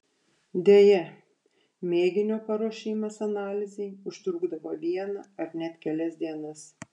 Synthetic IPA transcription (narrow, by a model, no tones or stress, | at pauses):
d̪ʲeːjɛ | mʲeːɡʲɪnʲoːpɐɾoɔʃʲɪːmɐsɐnɑːlʲɪzʲɛɪʊʃʲt̪ɾuːɡd̪ɐʋoːʋʲiɛnɐɐɾnʲɛt̪ʲkʲɛlʲɛsʲd̪ʲiɛnɐs